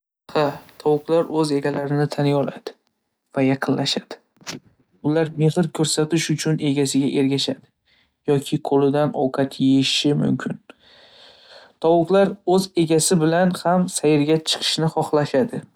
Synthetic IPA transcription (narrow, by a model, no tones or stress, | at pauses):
hat̪ʰɒwʊqlaɾɵze̞ɡʲalaɾɪnɪt̪ʰanjɒla̰d̪̥ɪ | vajɑqʰɨnlaʃad̪̥ɪ̥ | ʊlaɾme̞hɪɾkʲʰɵɾsat̪ɪʃʊt͡ʃʰʊne̞ɡʲasɪɡʲaʔe̞ɾɡʲaʃad̪ɪ | jɒkʲʰɪqʰolɪd̪anɒ̰wqʰɑt̪ʰjeɪʃɪmʊ̰mkʲʰɪn | t̪ʰɒwʊqlˠaɾɵze̞ɡʲasɪbɪlanhamsajɪɾɡʲat͡ʃʰɨ̥qʰɨ̥ʃnɪχɒχlˠaʃad̪ɪ